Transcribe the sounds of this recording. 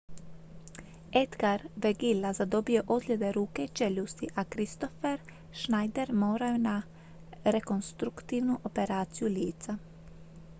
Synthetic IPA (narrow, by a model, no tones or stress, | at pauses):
ed̪ɡaɾʋɛɡilːazad̪obioʔod̪lʲed̪eɾuːket͡ʃeʎust̪iʔakɾist̪ofeɾ | ʃnajd̪eɾmoːɾajona | ɾekonst̪ɾukt̪iːwnuʔopeɾaːt̪sijuliːt̪sa